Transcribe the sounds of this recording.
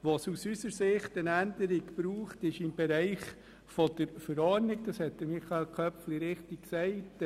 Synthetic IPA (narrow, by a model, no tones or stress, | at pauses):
ʋosusysəɾsɪχtənændəɾiɡb̥ɾuːχtɪʃɪmbɛɾæɪχ | fɔd̪̥əɾfəɾɔɾniɡ̚d̥ɑshɛt̚d̪̥əɾmiχɑelkʰœpfliɾɪχtikksɛɪt